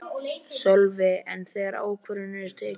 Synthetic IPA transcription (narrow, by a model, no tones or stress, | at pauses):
sɔlvɪɛnθɛɣɛɾa̰ːwkʰvʏɾʏnɪɾt̪ʰɛː